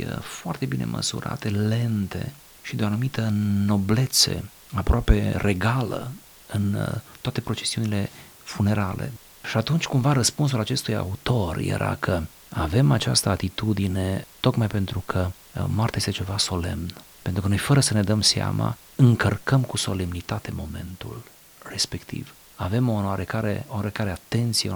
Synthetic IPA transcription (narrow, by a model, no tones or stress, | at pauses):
foart̪e̞binʔe̞̰mʔə̰sṵɾʔa̰t̪e̞le̞nt̪e̞̰ | ʃid̪eoanumit̪əno̞ble̞t̪se̞̰ | apɾoape̞rʔe̞ɡalə̰ | ɨnt̪oat̪e̞pɾo̞t͡ʃe̞siunile̞ | fune̞ɾale̞̰ | ʃiat̪unt͡ʃʲkumvaɾəspuns̬ulat͡ʃe̞st̪uja̰ut̪o̞rjḛɾʔa̰kʰə | ave̞mat͡ʃa̰st̪əat̪it̪ud̪ine̞t̪o̞kmajpe̞nt̪ɾukʰə | moart̪ajest̪et͡ʃe̞vaso̞le̞̰mnpe̞nt̪ɾukəno̞jfəɾəsəne̞d̪əmsia̰ma̰ | ɨŋkərkʰəmkuso̞le̞mnit̪at̪e̞mo̞me̞̰nt̪ṵl | re̞spe̞kt̪ʰḭv | ave̞mooaɾekaɾḛoaɾekaɾeat̪e̞nt̪sie